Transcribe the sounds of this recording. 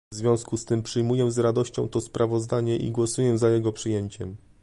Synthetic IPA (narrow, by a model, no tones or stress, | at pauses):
vzvʲjɔ̃w̃skust̪ɘmpʂɘjmujɛzɾad̪ɔɕt͡ɕɔ̰̃w̃t̪ɔspɾavɔzd̪aɲɛʔḭɡwɔsujɛzajɛɡɔpʂɘjeɲt͡ɕɛm